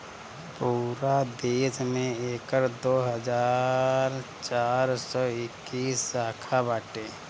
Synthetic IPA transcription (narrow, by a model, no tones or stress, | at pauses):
puːɾad̪eːsmẽeːkəɾd̪oːɦəd͡ʒaːɾt͡ʃaːɾsɔɪkːiːsaːkʰabaːʈeː